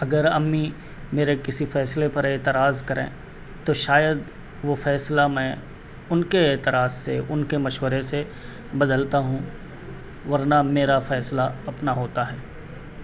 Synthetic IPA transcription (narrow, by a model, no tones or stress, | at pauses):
ɐɡəɾɐmːi | meːɾekɪsifɛːslepɐɾeːt̪ɪɾaːzkɐɾʔḛ̃ː | t̪oʃaːjəd̪ | ʋofɛːslamɛ̃ | ʊnkeeːt̪ɪɾaːzsḛʊnkemɐʃwəɾese | bɐd̪əlt̪aɦũ | ʋɐɾnameːɾafɛːslaɐpnaɦoːt̪aɦɛː